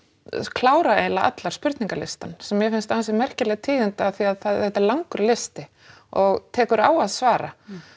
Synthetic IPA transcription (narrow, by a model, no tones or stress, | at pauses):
kʰlaːwɾaeːjlaʔa̰t̪laɾ̥spʏɾ̥t̪niŋkalɪ̰st̪ansɛmːjɛfɪnst̪aːns̬ɛmɛr̥cɪlɛɣt̪ʰiːðɪnt̪ɪaθiaðθaðθɛht̪ːɛɾlaŋkʏɾlɪst̪ɪ | ɔɣt̪ʰɛːkʏɾa̰ːwaðsvaːɾa̰